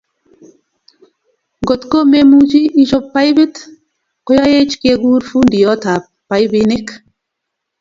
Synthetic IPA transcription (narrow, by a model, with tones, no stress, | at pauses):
ɡo˨t̪ko˦me˦mu˦d͡ʒi˦ʔi˦t͡ʃo˦pːa˦jbi˦t̪ | kɔ˦ja˦je˦t͡ʃke˧ɡu˦ɾfu˦ndi˨jɔ˦t̪a˨ | pːa˨jbini˦k